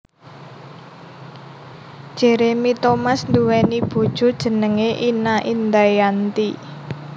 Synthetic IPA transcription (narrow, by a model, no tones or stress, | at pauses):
d̥ʒ̥e̤ɾemit̪omasnd̪uwɛnib̥o̤d̥ʒ̥o̤d̥ʒ̥ə̤nəŋeʔinaʔind̪ajant̪i